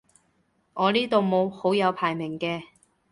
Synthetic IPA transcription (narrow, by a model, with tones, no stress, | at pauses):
ʔɔː˨˧niː˥t̪o˨wmo˨˧who˨˥wjɐ˨˧wpʰaː˨˩jmɪ˨˩ŋkɛː˧